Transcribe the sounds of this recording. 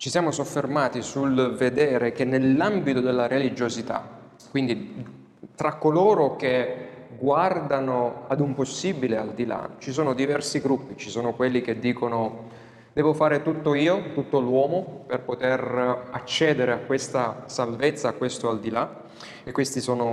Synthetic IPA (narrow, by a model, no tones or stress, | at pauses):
t͡ʃisjaːmosofːermaːt̪isulved̪ɛːɾek̟enːelːambit̪od̪elːaɾelid͡ʒozit̪a̰ | kːwind̪i | t̪ɾakːoloːɾok̟eɡward̪anoad̪umposːiːbileald̪ila̰t͡ʃis̬oːnod̪ivɛrsiɡɾupːit͡ʃi̥soːnokwelːik̟ed̪ːiːkono | d̪̥ɛːvofaːɾet̪ut̪ːoiːot̪ut̪ːolwɔːmoperpot̪erat͡ʃːɛːd̪eɾeakːwest̪asalvet̪sːaːkːwest̪oald̪ila | ekːwest̪isoːno